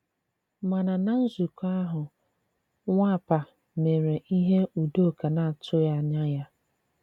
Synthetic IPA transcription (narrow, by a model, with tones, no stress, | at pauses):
ma˨na˨na˨n̩˦zu˨ka˦ɦʊ˨ | ŋʷa˦˨pa˨ | me˨ɾe˨ʔi˦ɦe˦u˨do˦˨ka˨na˨a˨tʊ˦ja˦˨ɲa˦ja˦